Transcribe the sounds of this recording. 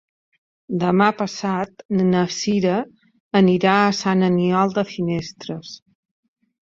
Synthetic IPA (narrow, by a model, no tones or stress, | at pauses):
d̪əmapəsat̪nəsiɾəː | niɾaəsanəniɔlˠd̪əfinest̪ɾəs